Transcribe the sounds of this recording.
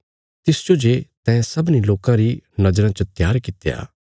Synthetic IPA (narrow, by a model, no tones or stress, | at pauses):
t̪ɪsd͡ʒod͡ʒet̪ɛ̃ːsɐbniloːkãɾinɐd͡ʒɾãt͡ʃət̪jaːɾkɪt̪eja̰ː